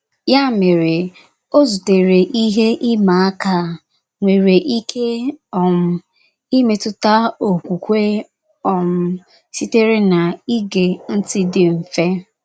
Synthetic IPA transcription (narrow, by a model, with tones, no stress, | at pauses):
ja˦˨me˨ɾɪ˨ | o˦zu˨te˨ɾe˨ʔi˦ɦe˦ʔɪ˦ma˨a˦ka˦ | ŋʷe˨ɾe˨ʔi˦kʰe˦ɔ˨m̩˦ | i˦me˨tʊ˦ta˦o˨kʷu˨kʷe˦ | ɔ˨m̩˦ | si˦te˦ɾe˦na˨i˦ɡe˨n̩˦tɪ˦dɪ˨m̩˨fe˦